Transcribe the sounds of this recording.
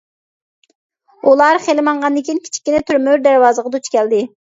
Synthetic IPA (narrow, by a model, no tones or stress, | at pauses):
ulˠɑɾχelɪmɑɴʁɑnd̪ɪkʲinkʲʰi̥t͡ʃʰi̥kʲːinɛt̪ʰyɾmyɾd̪æɾwɑːzəʁɑd̪ut͡ʃkʲʰɛld̪ɪ